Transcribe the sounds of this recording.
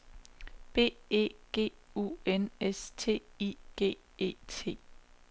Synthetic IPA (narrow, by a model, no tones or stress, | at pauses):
b̥e̝̰ːe̝̰ːɡ̥e̝̰ː | ṵenest͡sʰe̝̰ːiɡ̥e̝̰ː | e̝̰ːt͡sʰe̝̰ː